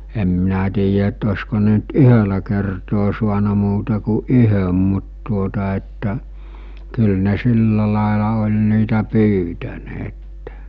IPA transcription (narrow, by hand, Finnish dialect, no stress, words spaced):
em minæ tiːjæ etː osko ne nt yhølæ kertoː suɑnɑ muːtɑ ku ʔyhøm mut tuotɑ etːæ kyl ne silːɑ lɑˑelɑ olʲ niːtæ pyːtæneːtːe̥